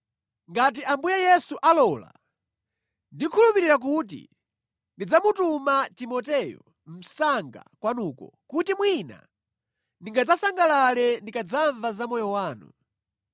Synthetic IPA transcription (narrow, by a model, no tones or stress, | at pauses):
ŋɡat̬iambujajɛsuʔalɔla̰ | ndikʰulupiɾiɾak̬ut̬ḭ | ndid͡zamutumatimɔtɛjɔ̰ | m̩saŋɡa̰kwanuːkɔ̰kutimwina̰ | ndiŋɡad͡zasaŋɡalalɛndikad͡zaɱvazamɔjɔwaːnṵ